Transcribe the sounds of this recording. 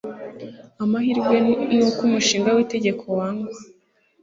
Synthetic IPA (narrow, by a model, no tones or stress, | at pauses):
amahiɾɡwenukumuʃiːŋɡawite̞ɟe̞kʰo̞waːŋɡa